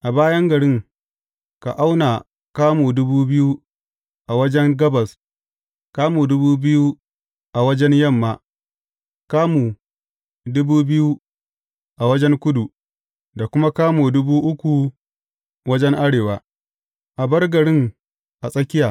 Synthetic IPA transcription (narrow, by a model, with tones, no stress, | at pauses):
ʔa˨baː˦jɐ˦ŋɡɐ˨ɽɪ˦ŋ | ka̰˨ʔa˦wnaː˨ | kaː˦muː˨dʊ˦buː˦bɪ˦ju˦ | ʔa˨wɐ˦d͡ʒɛ˦ŋɡɐ˦bɐ˨s | kaː˦muː˨dʊ˦buː˦bɪ˦ju˦ | ʔa˨wɐ˦d͡ʒɛ˦ɲjɐ˦˨mːaː˦ | kaː˦mu˨ | dʊ˦buː˦bɪ˦ju˦ | ʔa˨wɐ˦d͡ʒɛ˦ŋkʷʊ˦du˨ | da˨kʷʊ˦ma˦kaː˦muː˨dʊ˦buː˦ʔʊ˦kʷu˨ | wɐ˦d͡ʒɛ˦ŋʔa˦ɽeː˨waː˦ | ʔa˨bɐ˦rɡɐ˨ɽɪ˦ŋ | ʔa˨sʼɐ˦kʲɪ˦jaː˨